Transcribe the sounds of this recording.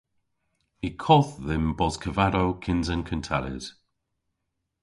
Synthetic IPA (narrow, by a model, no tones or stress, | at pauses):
ikʰɔθðɪmbɔzkʰəvaɾowkʰɪnzənkʰəntʰaɾɪ̰z̥